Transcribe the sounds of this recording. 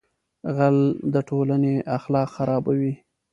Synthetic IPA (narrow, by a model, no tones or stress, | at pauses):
ɣald̪əʈolaneʔaxlɑqxaɾɑbawi